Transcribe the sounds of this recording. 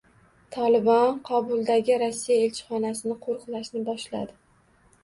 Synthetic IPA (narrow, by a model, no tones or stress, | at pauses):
t̪ʰɒlɪbɒnqʰɒbʊlˠd̪aɡʲɪɾɒsːijaelt͡ʃʰɪ̥χɒnasɪnɪqʰoɾqlˠaʃnɪbɒʃla̰d̪ɪ